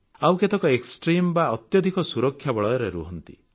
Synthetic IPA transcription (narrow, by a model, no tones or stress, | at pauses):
awket̪ɔkɔeksʈɾimbaɔt̪jɔd̪ʱikɔsuɾɔkʰːjabɔɭɔjɔɾeɾṵɦɔnt̪ḭ